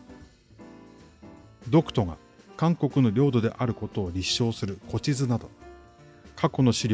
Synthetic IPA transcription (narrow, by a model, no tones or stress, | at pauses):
d̪o̞kɯ̥t̪o̞ɡa̰ | kãŋko̞kɯ̟no̞ɾʲo̞ːd̪o̞d̪e̞ʔaɾɯ̟ko̞t̪o̞ːɾʲiɕːo̞ːsɨɾɯ̟ko̞t͡ɕizɨnad̪o̞ | kʰako̞no̞ɕiɾʲ